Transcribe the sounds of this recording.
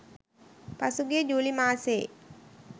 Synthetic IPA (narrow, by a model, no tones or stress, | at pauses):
pasuɡed͡ʒuːlimaːse